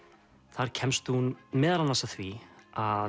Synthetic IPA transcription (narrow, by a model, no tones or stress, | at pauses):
θaɾ̥cʰɛmst̪hunmɛːðalanasaθvia